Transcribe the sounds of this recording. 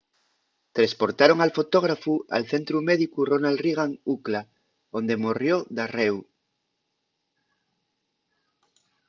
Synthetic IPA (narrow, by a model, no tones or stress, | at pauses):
t̪ɾespoɾt̪aɾoŋalfot̪oɣ̞ɾafua̰lθent̪ɾumeðikuronalriɣ̞aŋukla | ond̪emorjoðarew